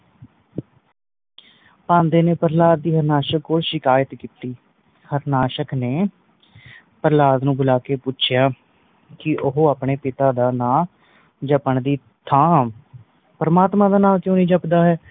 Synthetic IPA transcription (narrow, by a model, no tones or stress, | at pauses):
pãːnd̪eːneːpəɾlaːd̪̚ːiːɦəɾnaːʃəkːoːlʃɪkaːjət̪kiːt̪iː | həɾnaːʃəkneː | pəɾlaːd̪nũːbʊlaːkeːpʊt͡ʃʰɪjaː | kɪʔʊɦoːaːpɳeːpɪt̪aːd̪aːnãː | d͡ʒəpəɳd̪iː | t̪ʰaːm | pəɾəmaːt̪mãːd̪aːnãːkjõːnĩːd͡ʒəpd̪aːɦɛː